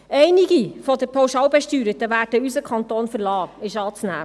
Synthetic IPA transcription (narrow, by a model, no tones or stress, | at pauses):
ʔɛɪnɪɡifɔd̪əɾpʰoʊʃɑwbɛʃtyːɾətəʋæːɾdəysəkʰɑnt̪oːnfəɾlɑːɪʃɑːt͡snæ̰ː